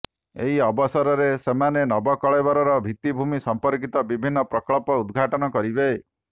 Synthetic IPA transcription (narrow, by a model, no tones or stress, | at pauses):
ḛɦiɔbɔsɔɾɔɾesemanenɔbɔkɔɭebɔɾɔɾɔbʱit̪ibʱumisɔmpɔɾkit̪ɔbibʱinːɔpɾɔkɭɔpɔud̪ɡʱaʈɔnɔkɔɾibe